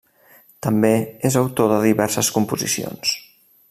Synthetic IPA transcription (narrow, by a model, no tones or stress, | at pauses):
t̪əmbeezəwt̪oðəðiβɛɾsəskumpuzḭsio̰ns